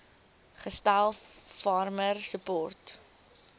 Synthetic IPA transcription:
χəstælˠfɑrmərsəpɔrt

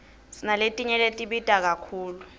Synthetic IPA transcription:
sinaletʼiɲɛletʼiɓid̥ʱak̬akʰuːlu

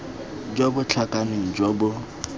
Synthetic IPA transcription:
d͡ʒɔbʊt͡ɬʰakʼanɪŋ̩d͡ʒɔbʊ

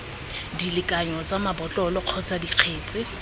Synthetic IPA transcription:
dilɪkʼaɲɔt͡sʼamabɔt͡ɬʼɔlɔq͡χʰɔt͡sʼadiq͡χʰeːt͡sʼɪ

